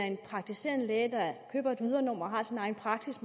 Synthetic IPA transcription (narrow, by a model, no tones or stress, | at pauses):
æɐe̝npʰʁɑ̈ɡ̥̚t͡sʰise̝̰ːɐnəlɛːd̥ɑkʰøːb̥ɐe̝d̥ʋið̞ˠɐnɒ̽m̰ɒɦɑ̈sinɑ̈ɪn̩pʰʁɑ̈ɡ̥sism